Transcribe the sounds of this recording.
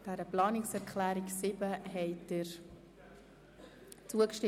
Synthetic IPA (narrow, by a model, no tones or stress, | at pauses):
d̥æɾəplɑːnɪksɛɾkʰχlæːɾiksɪbəɦɛɪtdɪɾ | t͡suəkʃtɪ